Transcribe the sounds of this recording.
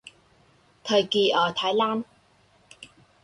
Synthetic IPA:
t̪ʰə˨˩jkiː˨˧˩ʔɔː˨˩t̪ʰaː˨˥jlaː˧˥n

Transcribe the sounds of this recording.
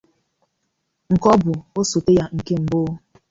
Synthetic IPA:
ŋ̩˨kɔ˦bʊ˨o˦so˨te˦ja˦ŋ̩˨ke˦m̩˨bo˦

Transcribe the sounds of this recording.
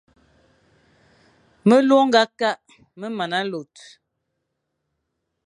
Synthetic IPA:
mə˦lo˦ŋ̩˦ɡa˦ka˦ʔ | mə˦ma˨na˦lo˨t̚

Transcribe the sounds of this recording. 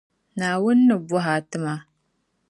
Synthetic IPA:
naː˨wʊ˦nːɨ˨bʊ˦ɦa˨tɨ˦ma˦

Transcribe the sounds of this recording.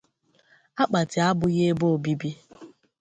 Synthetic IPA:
a˦k͡pa˨tɪ˨a˦bʊ˨ɣe˦bo˦˨bi˦bi˦

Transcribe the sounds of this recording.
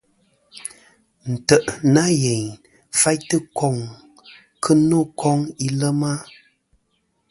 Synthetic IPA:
n̩˨tə˨ʔna˦je˨ɲ | fa˦jtə˦kɔ˦˨ŋ | kʰə˦no˦˨kʰɔ˦ŋi˦lə˦ma˦

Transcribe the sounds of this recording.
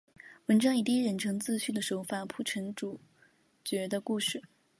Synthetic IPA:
wə˧˥nʈ͡ʂɑ˥ŋi˧˥t̪i˥˩ɻə˧˥nʈ͡ʂʰɤ˧˥ŋt͡sɹ̩˥˧ɕy˥˩d̪ə˩ʂo˨˧˥ʊfa˨˩npʰu˥˩ʈ͡ʂʰə˧˥ŋʈ͡ʂu˨˩ | t͡ɕɥɛ˧˥d̪ə˧ku˥˧ʂɻ̩˥˩

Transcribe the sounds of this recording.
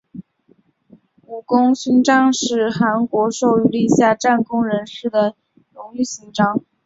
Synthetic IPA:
u˨˩kʊ˥ŋɕy˥nʈ͡ʂɑ˥ŋʂɻ̩˥˩xa˧˥nkwɔ˧˥ʂo˥˧ʊy˥˧li˥˧ɕja˥˧ʈ͡ʂa˥˩nkʊ˥ŋɻə˧˥nʂɻ̩˥˩d̪ə˩ | nʊ˧˥ŋy˥˩ɕi˥nʈ͡ʂɑ˥ŋ

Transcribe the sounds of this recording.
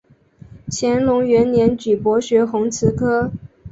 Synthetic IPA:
t͡ɕʰjɛ˧˥nlʊ˧˥ŋɥɛ˧˥nnjɛ˧˥nt͡ɕy˨˩pwɔ˧˥ɕɥɛ˧˥xʊ˧˥ŋt͡sʰɹ̩˧˥kʰɤ˥

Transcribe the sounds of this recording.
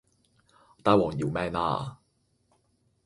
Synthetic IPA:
t̪aː˧jwɔː˨˩ŋjiː˨wmɛː˥˩na̰ː˥

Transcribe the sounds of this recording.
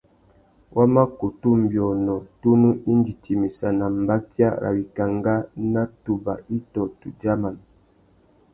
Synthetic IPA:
wʔa˦ma˦ku˨tu˦m̩˨bjɔ˨nɔ˨tu˦nu˦i˦n˦di˨ti˨mi˨sa˨na˨m̩˨ba˦kja̰˦ɾʔa̰˨wi˨ka˨ŋɡa˦na˦tu˨ba̰˨ʔi˦tɔ˨tu˨d͡ʒa˦ma˨n

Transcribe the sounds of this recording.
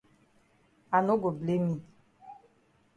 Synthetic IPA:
a˨no˦ɡo˨ble˨˦mi˦

